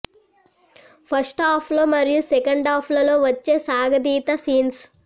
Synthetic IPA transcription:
pʰɐɾsʈaːpʰloːmɐɾijusɛkɐɳɖaːpʰlɐlo̞ːʋɐt͡ʃːe̞ːsaːɡɐd̪iːt̪ɐsiːns

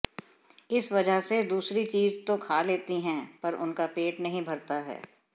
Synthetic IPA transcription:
ɪsʋɐd͡ʒəɦsed̪uːsɾit͡ʃiːzt̪okʰaːleːt̪iɦɛ̃ːpɐɾʊ̰nkapeːʈnɐɦĩbʱɐɾt̪aɦɛ̰ː

